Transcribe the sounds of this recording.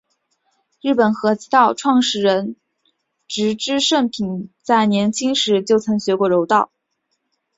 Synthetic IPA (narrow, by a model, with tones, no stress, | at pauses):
ɻɻ̩˥˩pə˨˩nxɤ˧˥t͡ɕi˧˥t̪ɑ˥˧ʊʈ͡ʂʰwɑ˥˧ŋʂɻ̩˥˩ɻə˧˥n | ʈ͡ʂɻ̩˧˥ʈ͡ʂɻ̩˥ʂə˥˩npʰi˨˩nt͡sa˥˩ɪnjɛ˧˥nt͡ɕʰi˥ŋʂɻ̩˧˥t͡ɕjo˥˩ʊt͡sʰɤ˧˥ŋɕɥɛ˧˥kwɔ˥˩ɻo˧˥ʊt̪ɑ˥˩ʊ